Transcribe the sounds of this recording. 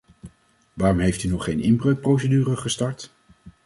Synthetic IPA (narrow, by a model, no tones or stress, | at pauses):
ʋaːrɔmɦejftynɔχejnɪmbrøɥk̚prowsədyːrəχəstɑɹt